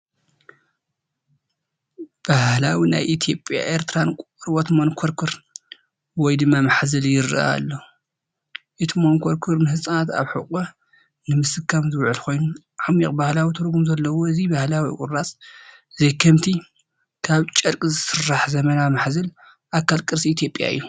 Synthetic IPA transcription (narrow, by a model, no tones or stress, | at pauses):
b̥ahlawina̰jʔit̪ʰjo̞pʼja̰ʔeɾt̪ʰɨɾankʷʼ | ɾwot̪monkʰoɾkʰɨɾ | wɔjd̪ɨmːamaħzɨljɪɾɨ̰ʔa̰lːo | ʔɨt̪ʰimonkʰoɾkʰɨɾnɨɦɨsʼanat̪a̰βħɨkʼɐ | nɨmɨsɨkʰːamzɨβʕɨlkʰo̞jnu | ʕamḭχʼbahlawit̪ʰɨɾɡumzɐlːɐwoɨzibahlawikʼʊ̰ɾːasʼ | zejkʰɐmt̪ʰi | kʰaβt͡ʃʼɐɾkʼizɨsɨrːaħzɐmɐnamaħzɨl | ʔakːalkʼɨɾsiit̪ʰjo̞pʼja̰ɨ̰jːu